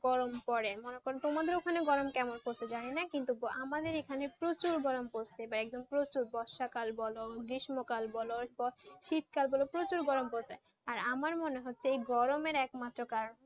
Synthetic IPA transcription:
ɡ̥ɔɾompɔɾemonekoɾet̪omad̪eɾokʰaneɡɔɾomkɛmonpoɾsʰed͡ʑaninakint̪uamad̪eɾekʰanepɾot͡ɕuɾɡɔɾomposʰeebaɾɛk̚d̪ompɾot͡ɕuɾbɔʃakalbɔloɡɾiʃmokalbɔlopɔɾʃit̪̚kalbɔlopɾot͡ɕuɾɡɔɾomposʰe | aɾamaɾmoneɦotːɕʰeejɡɔɾomeɾɛkmat̪ːɾokaɾon

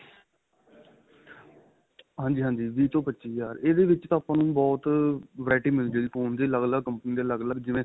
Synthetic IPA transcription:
ɦãːɲd͡ʒiːɦãːɲd͡ʒiːʋiːt̪õːpətːʃiːjaːɾeːd̪eːʋɪt͡ʃt̪ãːaːpãːnũːbɔːt̪ʋɾaːʈiːmɪld͡ʒeːɡiːpʰoːnd̪eːləɡləɡkəmpəniːd̪eːləɡləɡd͡ʒɪʋẽː

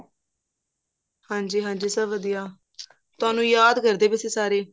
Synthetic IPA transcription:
hãːɲd͡ʒiːɦãːd͡ʒiːsəbʋəd̪ijaː | t̪ʊaːnũːjaːd̪kəɾd̪eːbɪseːsaːɾeː

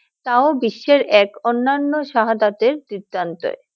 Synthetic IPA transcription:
t̪aobiʃːeɾɛkonːanːoʃaɦad̪at̪eɾd̪id̪ːant̪o̰e

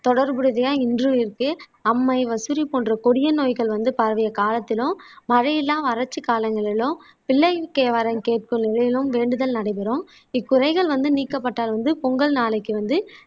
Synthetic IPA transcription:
t̪ɔɽɐɾbɯɽɯðɐjaːɪndrɯɪɾkɯ | ɐmːɐɪʋɐsʊɾipoːndrɐkɔɽɪjɐnoːjɣɐɭʋɐnd̪ɯpɐɾʋɐjɐkaːlɐt̪ːɪlɯ̃mːɐɻɐjɪlːaːmɐɾɐt͡ʃːɯkaːlɐŋɡɐɭɪlʊ̃m | pɪlːɐɪkːeːʋɐɾɐmkeːʈ̚kɯmnɪlɐjɪlɯmʋeːɳɖɯðɐlnɐɽɐɪpɪɾõːm | ɪkːʊɾɐɪɣɐɭʋɐnd̪ɯniːkːɐpːɐʈːaːlʋɐnd̪ɯpɔŋɡɐɭnaːlɐɪkːɯʋɐnd̪ɯ

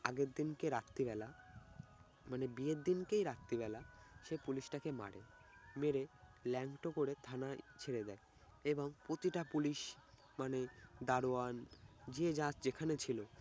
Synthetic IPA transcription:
aɡeɾd̪inkeɾat̪ːibɛla | manebied̪inkejɾat̪ːibɛlaʃepuliʃʈakema̰ɽḛ | meɾelɛŋkʈokoɾet̪ʰanat͡ɕʰeɾed̪ɛe | eboŋpɾot̪iʈapuliʃ | maned̪aɾoand͡ʑed͡ʑãt͡ɕd͡ʑekʰanet͡ɕʰilo

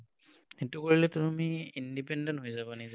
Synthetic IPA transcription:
etukoɹilɛtumiindipɛndɔntɦojzabɔniza

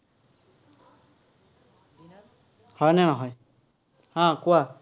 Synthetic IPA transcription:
hɔjnɛnɔɦɔj | hãkʊwa

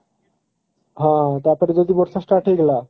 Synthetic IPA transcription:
ɦãt̪aɾpɔɾed͡ʑod̪iboɾsʰaʃʈaʈeɡla

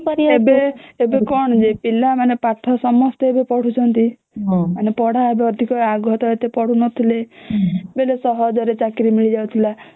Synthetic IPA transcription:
pɔɾiebeebekɔɳ̃d͡ʒepilamanepaʈʰɔsɔmɔst̪eebepɔɽ̤ut͡ʃʰɔnt̪i | ɦmanepɔɽ̤aebeɔd̪ʱikɔaɡɔt̪ɔet̪epɔɽ̤unɔt̪ʰile | belesɔɦɔd͡ʒɔɾet͡ʃakɾimiɭid͡ʒawt̪ʰila

